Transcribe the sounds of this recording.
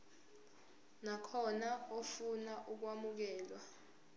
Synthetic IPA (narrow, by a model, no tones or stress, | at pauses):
nakʰɔnaofunaʔuk̬wamuk̬ɛːlwa